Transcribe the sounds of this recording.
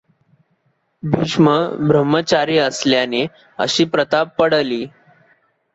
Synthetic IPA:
bʱiɕməbɾəmːət͡ɕaɾiːəsljane | ə̰ɕiːpɾət̪abpəɽliː

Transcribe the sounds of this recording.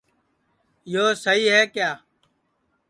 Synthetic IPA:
joːsəɦiːɦɛːkjaː

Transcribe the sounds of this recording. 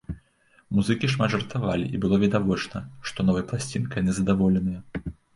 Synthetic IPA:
muzɨkʲiʂmad̪ʐɐrt̪avalʲḭʔibɨlˠɔvʲid̪avɔt͡ʂnɐʂt̪ɔnɔvɐjɐplˠasʲt͡sʲinkjɐnɨzɐd̪avɔlʲɛnɨjɐ

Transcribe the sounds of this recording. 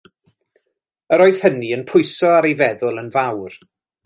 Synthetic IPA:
əɾoɨð̥həniənpʰʊɨsɔaɾejvɛðʊlˠənvawr

